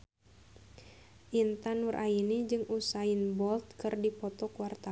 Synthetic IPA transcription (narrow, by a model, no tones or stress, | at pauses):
ʔint̪anurʔainid͡ʒɨŋusainbɔlt̪̚kɨrdipɔt̪ɔkuwart̪a